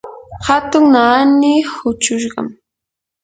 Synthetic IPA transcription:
hat̪ʊŋnaːnɪhʊt͡ʃʊʃɢɑ̰m

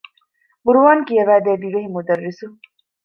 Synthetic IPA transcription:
buɾuʋaːŋkijɐʋæːd̪eːd̪iʋeɦimud̪ɐrːisu

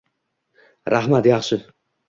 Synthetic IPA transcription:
ɾʔahmat̪jɑχʃɪ

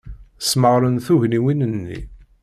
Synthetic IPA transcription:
sməʁɾənθuʝniwinənːḭ

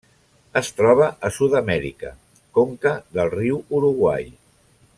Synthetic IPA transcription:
əst̪ɾɔβ̞əʔəsuðəmɛɾḭkə̰ | koŋkəðəlˠriwuɾuɣwa̰j

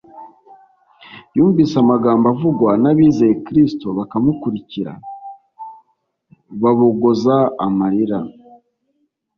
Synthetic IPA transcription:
juːɱvisamaɡaːmbavuɡwanaβiːzejekɾistoβakamukuɾiciɾa̰ | βaβoɡozaːmaɾiɾa

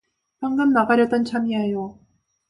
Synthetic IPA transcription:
paŋɡɯmːaɡaɾjʌt͈ʌnt͡ɕʰamiajo

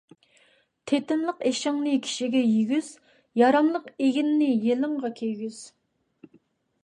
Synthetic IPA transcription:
t̪ʰet̪ɪnlˠəqeʃɪŋnɨkʲʰi̥ʃiɡʲɛjiɡʲyz̥ | jɑɾɑmlˠəqeɡʲinːɪjelɨŋʁɑkʲʰejɡʲyz̥

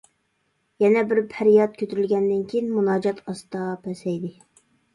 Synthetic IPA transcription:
jɛnɛbɪɾpʰæɾjɑt̪̚kʲʰøt̪ʰyɾylɡʲɛnd̪ɪnkʲʰijinmunɑːd͡ʒɑt̪ʰɑst̪ɑpʰɛsɛjd̪ɪ

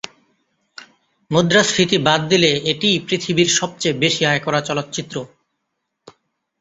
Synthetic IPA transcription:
mod̪ɾast̪ʰit̪ibad̪d̪ileeʈijpɾit̪ʰibiɾʃɔb̚t͡ɕejbeʃiɦaekɔɾat͡ɕɔlot̪t͡ɕit̪ːɾo

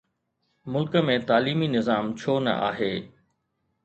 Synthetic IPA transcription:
mʊlkəmẽt̪aːliːminɪzaːmt͡ɕʰoːnɐ̰ʔa̰ːɦeː

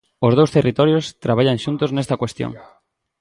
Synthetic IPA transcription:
ozð̞owst̪erit̪ɔɾjost̪ɾaβ̞aʎaŋʃunt̪oznest̪ɐkwest̪jo̰ŋ

